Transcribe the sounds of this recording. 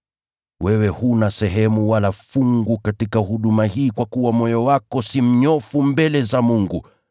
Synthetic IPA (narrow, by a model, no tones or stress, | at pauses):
wɛwɛhunasɛɦɛmuwalafuŋɡukatikahuɗumahiːkwakuwamɔjɔwakɔsim̩ɲɔfumbɛlɛzamuŋɡṵ